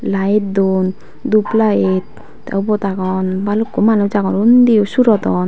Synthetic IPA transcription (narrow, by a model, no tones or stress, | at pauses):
laet̪d̪un | d̪uplaet̪̚ | a̰ubɔt̪aɡɔnbalukːomanud͡ʒaɡɔɾund̪iusuɾɔt̪ɔn